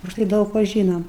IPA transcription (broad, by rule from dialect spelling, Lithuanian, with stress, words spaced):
ʊʃˈtɐɪ ˈdɐʊk ˈʋɐ ˈʒʲiːnoːm